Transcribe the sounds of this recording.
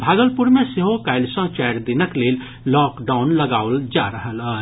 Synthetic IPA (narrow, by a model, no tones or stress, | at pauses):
bʱaːɡəlpuɾmẽseɦokaɪlsə̃t͡ʃaɪɾd̪inəkleːl | lɔkɖaːʊnləɡaːwld͡ʒaɾəɦələː